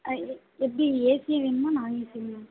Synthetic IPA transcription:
ɛp̬ːɐɽieːsɪjaʋeːnɯmaːnãːeːsɪlãː

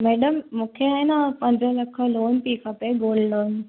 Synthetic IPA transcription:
mɛːɖəmːũːkʰeaːɦinapɐ̃ɲd͡ʑə̃lɐkʰəloːnpiːkʰapəɡoːlɖloːn

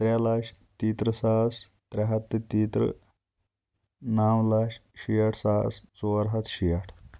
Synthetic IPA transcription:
t̪ɾalaɕ | t̪iːt̪ɾəsaːst̪ɾaɦɐt̪ːet̪iːt̪ɾə̰ | naːwlaɕɕijaʈʰsaːst͡soɾɦɐt̪ʰɕijɐʈʰ

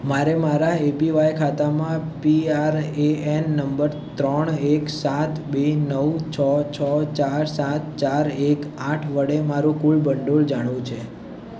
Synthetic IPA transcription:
maɾemaɾaepiʋajkʰat̪amãpiaɾeenːəmbəɾ | t̪ɾəɳeksat̪benəwt͡ʃʰɔt͡ʃʰɔt͡ʃaɾsat̪̚t͡ʃaɾekãʈʰʋəɽemaɾũkuɭbəɳɖoɭd͡ʒaɽ̃ʋũt͡ʃʰe

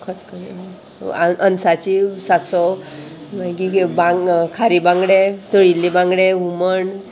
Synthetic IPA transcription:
kʰət̪kəme | aʔənsat͡ɕisasɔ | makibãŋkʰaɾibãŋɡɽet̪əɭilːibãŋɡɽeuməɳ

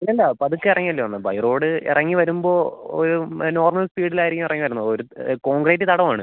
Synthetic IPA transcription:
ilːɐɐlːɐpɐðukːɨirɐŋːijɐlːoːʋɐnːɐbɐ̰jro̞ːɽɨḭrɐŋːiʋɐɾumbo̞ːo̰ɾuno̞ːrmɐlspiːɽilaːjiɾikʲːumirɐŋːiʋɐɾunːɐðoɾuko̞ːŋɡreːtːɨt̪ɐɽɐmaːɳɨ

